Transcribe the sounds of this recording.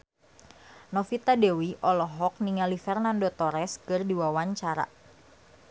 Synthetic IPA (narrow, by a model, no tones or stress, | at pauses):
nɔfit̪adɛwiʔɔlɔɦɔk̚niŋalifɛrnandot̪ɔɾɛskɨrdiwawaɲt͡ʃaɾa̰